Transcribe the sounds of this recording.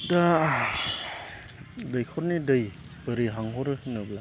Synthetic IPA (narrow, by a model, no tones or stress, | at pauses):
da | dɐjkʰɔɾnidɐj | bɐɾiɦaŋɦɔɾɯhnɐbla